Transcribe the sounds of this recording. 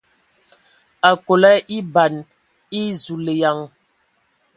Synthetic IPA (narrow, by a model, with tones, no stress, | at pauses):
a˨ko˨lɛ˦ʔi˦ba˨n | i˦zu˨le˨ja˨˦ŋ